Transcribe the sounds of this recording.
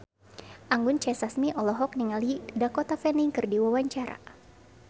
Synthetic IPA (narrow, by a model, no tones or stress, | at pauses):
ʔaŋɡʊnt͡ʃɛsasmiʔɔlɔɦɔk̚niŋalidakɔt̪afɛniŋkɨrdiwawaɲt͡ʃaɾa̰